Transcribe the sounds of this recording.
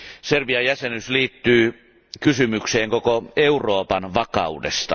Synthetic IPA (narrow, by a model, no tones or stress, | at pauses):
serʋiɑjæsenysliːt̪ːyː | kysymykseːŋkokoeurˑoːpɑnʋɑkɑ̰udest̪ɑ